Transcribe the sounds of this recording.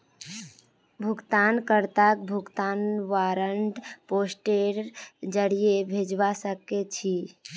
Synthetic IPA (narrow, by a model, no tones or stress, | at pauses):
bʱuɡt̪ankəɾt̪ak̚bʱuɡt̪anʋaɾəɳʈposʈeɾd͡ʒəɽijebʱed͡ʒʋasəket͡ʃʰi